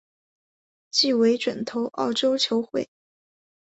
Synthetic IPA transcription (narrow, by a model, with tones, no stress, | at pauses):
t͡ɕi˥˩we˧˥ɪʈ͡ʂwə˨˩nt̪ʰo˧˥ʊʔɑ̰˥˩ʊʈ͡ʂo˥ʊt͡ɕʰjo˧˥ʊxwḛ˥˩ɪ